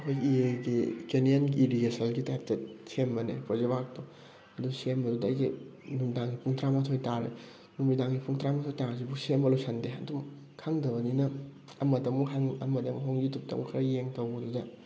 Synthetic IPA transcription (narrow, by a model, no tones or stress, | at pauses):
ɐkʰojɡiieɡikenijɐnɡiːɾiɡesɐlɡitap̚tet̚sembɐnḛpozebak̚to | ɐdusemɐdudɐːjɡi | numidaŋɡipʰuŋtɾamɐtʰojtaɾḛ | numidaŋɡipʰuŋtɾamɐtʰojtaŋzibusemɐlusʰɐndeɐdum | kʰaŋdɐbɐninɐ | ɐmɐdɐmuɦʰaŋɐmɐdɐmuɦoŋd͡ʒitup̚tɐ̰mukʰɐɾɐjeŋtɐwbɐdudɐ